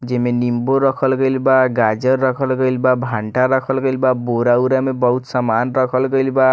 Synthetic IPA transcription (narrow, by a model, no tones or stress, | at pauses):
d͡zemenimboɾʌkʰʌlɡʌjlbaɡad͡zʌrːʌkʰʌlɡʌjlbabʱaɳʈaɾʌkʰʌlɡʌlbaboɾawɾamebʌɦut̪ʰsamanrʌkʰʌlkʌjlba